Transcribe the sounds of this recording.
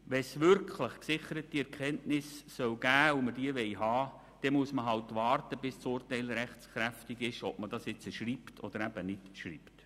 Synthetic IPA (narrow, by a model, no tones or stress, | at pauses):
ʋɛsʋʏɾkʰlɪχksɪχəɾətːiɛɾkχɛntnɪsːœwɡ̥æːʊməd̥iəʋɛɪɦɑː | d̥ɛmuəsməɦɑwtʋɑːrtəbɪst͡sʊːrtɛɪlɾɛχt͡skɾæftiɡɪʃɔb̚mədɑsjɪt͡səʃɾiːptʰɔ̰d̥̪əɾæbənɪtʃɾḭːpt